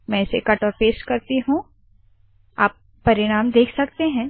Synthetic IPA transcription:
mɛ̃ɪsekɐʈɔːɾpeːskɐɾt̪iɦũ | aːpːɐɾɪɽ̃aːmd̪eːkʰsɐkt̪eɦɛ̃ː

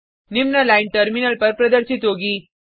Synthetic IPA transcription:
nimnəlajnʈəɾminəlpəɾpɾəd̪əɾɕit̪oɡiː

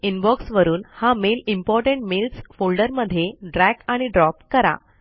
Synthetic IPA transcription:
inbɔksʋəɾuːnhamelimpɔɾʈẽɳʈmelsfolɖəɾməd̪ʱːjeɖɾækaɽ̃iɖɾɔpkəɾa̰

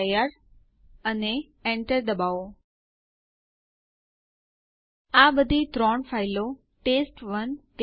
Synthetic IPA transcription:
jəɾ | əne | ɛɳʈəɾd̪əbao | abəd̪ʱit̪ɾɔɳfailo | ʈesʈʋənt

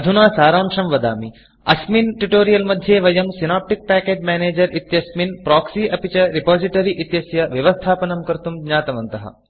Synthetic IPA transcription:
ɐd̪ʱunaːsaːɾaːmʂɐmʋɐd̪a̰ːmi | ɐsminʈuʈoːɾijɐlmɐd̪ʱːjeːʋɐjɐmsinaːp̚ʈik̚pɛːkeːd͡ʒmɛːneːd͡ʒɐɾit̪jɐsminpɾɔːksiːʔɐpit͡ʃɐɾipaːziʈɐɾiʔit̪jɐsjɐʋjɐʋɐst̪ʰaːpɐnɐmkɐɾt̪umɡɲaːt̪ɐʋɐnt̪ɐɦɐ̰

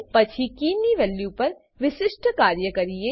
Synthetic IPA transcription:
pɐt͡ʃʰikiːniʋɛːljupɐɾ | ʋɪʃɪʃʈʰkaːɾjəkɐɾie

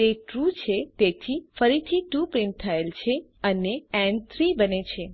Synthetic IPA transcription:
eʈɾut͡ʃʰet̪et̪ʰifəɾit̪ʰiʈupɾɪ̃ɳʈ̚t̪ʰəelt͡ʃʰeəneɛ̃ɳt̪ʰɾibənet͡ʃʰe

